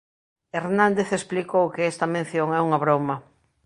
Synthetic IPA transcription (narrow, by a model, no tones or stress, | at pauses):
eɾnãnd̪eθesplikowkɪest̪ɐmẽn̟θjoŋɛuŋaβ̞ɾomɐ